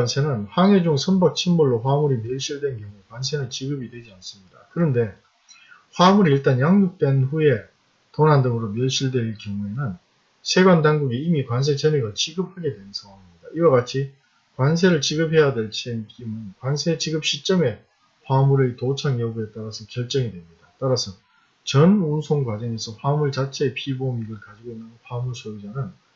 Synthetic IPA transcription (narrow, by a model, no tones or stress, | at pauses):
wansʰe̞nɯnɸwaŋe̞d͡ʑuŋsʰʌnbʌk̚t͡ɕʰinmuɭːoɸwamuɾimjʌɭɕ͈iɭdwe̞nkjʌŋuekwans̬ʰe̞nɯnt͡ɕiɡɯbidwe̞d͡ʑians͈ɯmɲidakɯɾʌnde̞ | ɸwamuɾiiɭt͈anjaŋjuk̚t͈e̞nɸuje̞ | tonɦandɯŋɯɾomjʌɭɕ͈iɭdwe̞iɭkjʌŋue̞nɯn | sʰe̞ɡwandaŋɡuɡiimikwans̬ʰe̞t͡ɕʰeniɡat͡ɕiɡɯp̚ʰaɡe̞dwe̞nnsʰaŋwaŋimɲidaiwaɡat͡ɕʰi | kwans̬ʰe̞ɾɯɭt͡ɕiɡɯpʰe̞jadwe̞ɭt͡ɕʰemik͈imɯnkwansʰe̞t͡ɕiɡɯp̚ɕ͈ʰit͡ɕ͈ʌme̞ | ɸwamuɾɯtot͡ɕʰaŋjʌɡue̞t̚t͈aɾasʰʌkjʌɭt͡ɕ͈ʌŋidwe̞mɲidat͈aɾasʰʌ | t͡ɕʌnunsʰoŋɡwad͡ʑʌŋe̞sʰʌɸwamuɭt͡ɕat͡ɕʰe̞ːpʰibomiɡɯɭkad͡ʑiɡoinːɯnɸwamuɭsʰoɡid͡ʑanɯn